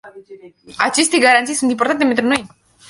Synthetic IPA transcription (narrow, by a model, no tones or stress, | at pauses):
at͡ʃist̪iɡaɾant̪isunimpoɾt̪ant̪ement̪ɾonoj